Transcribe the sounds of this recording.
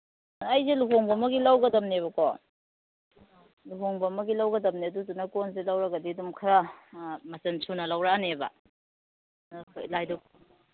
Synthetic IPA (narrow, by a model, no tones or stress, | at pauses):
ɐjzeluɦoŋbɐmɐɡilawɡɐdɐmneβɐko | luɦoŋbɐmɐɡilawɡɐdɐmniɐdudunːɐkonzilɐwɾɐɡɐdidumkʰɐɾɐmɐsensʰunɐlɐwɾanebɐ̰ | kʰlajdok̚